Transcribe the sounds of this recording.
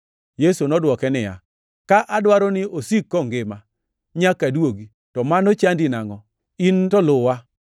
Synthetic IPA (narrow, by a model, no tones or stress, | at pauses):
jesunɔdwɔkɛnɪja̰ | kaʔadwaɾɔnɪosikːɔŋɡɪma | ɲakadwoɡi | tɔmanot͡ʃandinaŋɔ | intɔlʊwa